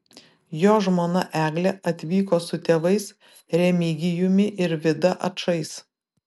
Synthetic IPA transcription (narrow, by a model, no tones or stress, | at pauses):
joːʒmoːnɐʔæːɡlʲɛʔɐt̪ʲʋʲiːkoːsʊt̪ʲeːʋɐɪs | ɾʲɛmʲiːɡʲɪjʊmʲɪʔɪɾʋʲɪd̪ɐʔɐ̰ʃɐɪs